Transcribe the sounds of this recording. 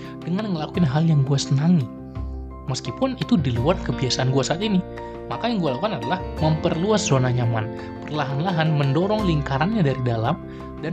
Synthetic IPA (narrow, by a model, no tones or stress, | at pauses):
dəŋanŋəlakuɪnɦaljaŋɡuasənaŋi | məskipʊnit̪udiluarkəbiasaʔanɡuasaːt̪ini | makajaŋɡualaukanadalahməmpərluaszonaɲama̰n | pərlaɦanlaɦanməndoɾɔŋliŋkaɾanɲadaɾidalam | dan